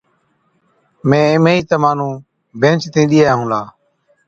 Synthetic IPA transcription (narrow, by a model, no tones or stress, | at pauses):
mẽːɪmeːiːt̪əmaːnũː | bʱẽːnt͡ʃt̪ʰĩːɗiːaːaːɦũːlaː